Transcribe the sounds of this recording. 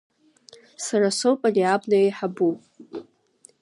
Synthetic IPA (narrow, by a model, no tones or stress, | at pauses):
saɾasowpʼaliabnaejħabu